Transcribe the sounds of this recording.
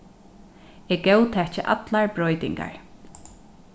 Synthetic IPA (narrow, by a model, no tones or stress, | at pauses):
ɛɹɡɛwt̪ʰɛt͡ʃəʔa̰t̪laɹbɹɔjt̪ɪ̰ŋka̰ɹ